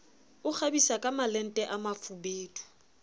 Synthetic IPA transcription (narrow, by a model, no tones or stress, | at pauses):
ʊk͡xʰabisakʼamalɛn̩tʼɛʔamafubeːtʰʼu̥